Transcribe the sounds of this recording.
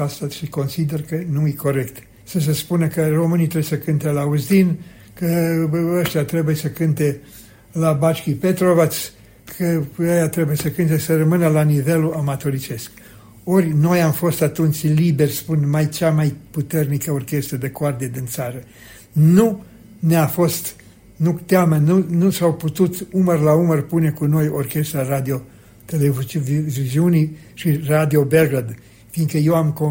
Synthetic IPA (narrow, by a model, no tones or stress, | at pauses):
asaʃiko̞nsid̪e̞rkənuɨjko̞ɾe̞kt̪ | səs̬e̞spunəkəro̞mɨnit̪ɾeesəkɨnt̪elauzd̪in | kəəʃt̪ʲjat̪ɾe̞bujesəkɨnt̪e̞ | labat͡ʃkʲipe̞t̪ɾovas | kʰəəjat̪ɾe̞bujesəkɨnt̪esərəmɨnəlanive̞luamat̪o̞ɾit͡ʃe̞sk | o̞rʲno̞jamfo̞st̪at̪unt͡ʃʲlibe̞rʲspunmajt͡ʃamajput̪e̞rnikəo̞rkʲe̞st̪ɾəd̪e̞koard̪ied̪int̪saɾə | nu | neafo̞st̪ | nut̪ʲeamənunusawput̪ut̪umərlaumərpune̞kuno̞jorkʲe̞st̪ɾarad̪io̞ | t̪elevviziuni | ʃirad̪io̞beɡad̪ | finɡ̪kəje̞wamko